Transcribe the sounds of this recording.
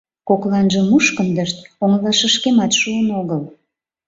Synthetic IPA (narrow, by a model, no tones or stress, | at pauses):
koklɑnʒəmuʃkəmd̪əʃt̪oŋəlɑʃəʃkemɑt̪ʃuənoɣəl